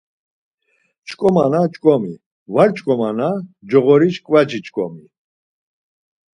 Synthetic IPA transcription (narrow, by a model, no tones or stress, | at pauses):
t͡ʃʼkʼɔmanat͡ʃʼkʼɔmi | vaɾt͡ʃʼkʼɔmanad͡ʒɔɣɔɾiʃkʼvad͡ʒit͡ʃʼkʼɔ̰mi